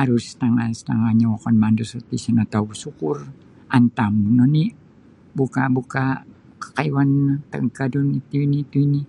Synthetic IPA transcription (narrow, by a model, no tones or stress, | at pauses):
aɾʊst̪aŋast̪aŋaɲawɔkɔnmandusət̪isənat̪awusukʊr | ant̪amnɔni | bukabuka | kə̥kaiwant̪ə̰ŋkadunit̪uinit̪uini